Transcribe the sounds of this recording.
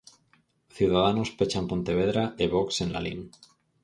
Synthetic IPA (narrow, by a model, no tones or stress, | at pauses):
θjuðaðanospet͡ʃampo̞nt̪e̞β̞e̞ðɾaeβ̞oksenla̰lin